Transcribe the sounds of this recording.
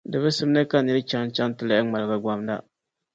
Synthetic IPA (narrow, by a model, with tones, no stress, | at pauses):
dɨ˨bɨ˦sɨ˦m˦nɨ˦ka˦nɨ˦ɾɨ˦t͡ʃa˦ŋt͡ʃa˦ŋ˦tɨ˨la˦ʔɪ˦ŋ͡ma˨lɨ˨ɡa˨ɡa˦mda̰˦